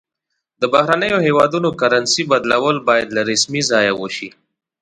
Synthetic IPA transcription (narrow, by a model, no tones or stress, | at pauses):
d̪əbahɾanəjoɦewɑd̪unokaɾansibad̪lawəlbɑjad̪laɾɪsmizɑjawoʃi